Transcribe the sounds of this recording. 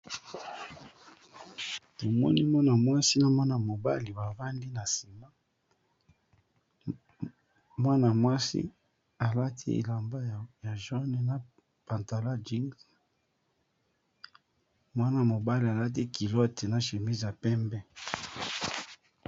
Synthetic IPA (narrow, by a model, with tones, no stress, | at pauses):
to˨mɔ̰˦nḭ˦mwa˦na˨mwa˦si˦na˨mwa˦na˨mo˨ba̰˦li˨ba˨va˦ndi˦na˨si˨ma˦ | mwa˦na˨mwa˦sḭ˦ | a˨la˦tʰi˦ḛ˨la˨mba˦˨ja˨ʒɔ˦nɛ˨na˨ | pa˨nta˨la˦d͡ʒi˦ŋɡ | mwa˦na˨mo˨ba˦li˨a˨la˦t̬i˦ki˨lɔ˦te˨na˨ʃe˨mi˦zi˨a˨pɛ˦mbɛ˦